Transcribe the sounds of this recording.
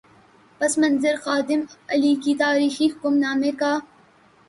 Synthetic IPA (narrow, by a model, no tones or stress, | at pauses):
pɐsmɐnzɪɾxaːd̪ɪmɐliːkit̪aːɾiːxiɦʊkʊmnaːmekaː